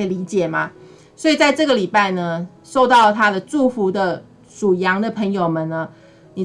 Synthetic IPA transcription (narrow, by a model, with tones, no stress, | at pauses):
li˧˥t͡ɕjɛ˨˩ma̰˨˦ | swɔ˧˥i˨˩t͡sa˥˧ɪʈ͡ʂɤ˥˩ɡə˨˩li˨˩pa˥˩ɪnə˦ | ʂo˥˧ʊt̪ɑ˥˩ʊlə˩t̪ʰa˥d̪ə˨ʈ͡ʂu˥˩fu˧˥d̪ə˨ | ʈ͡ʂu˨˩jɑ˧˥ŋd̪ə˨pʰə˧˥ŋjo˨˩ʊmə˨nnə˦ | ni˨˩